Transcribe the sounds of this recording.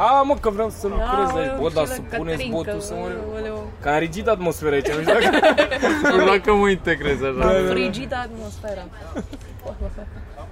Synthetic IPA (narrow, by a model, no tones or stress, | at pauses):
aməkəvɾeawsəlukɾezait͡ʃbot̪d̪asəpunet̪sbot̪usaw | kanɾid͡ʒit̪aːt̪mo̞sfeɾait͡ʃanuʃak | d̪akəməint̪eɡɾezaʃaɾid͡ʒit̪ːt̪mosfeɾa